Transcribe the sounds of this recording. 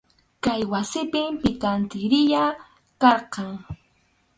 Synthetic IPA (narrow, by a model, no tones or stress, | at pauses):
kajwasɪpɪmpɪkant̪ɪɾɪja | kɑɾqɑŋ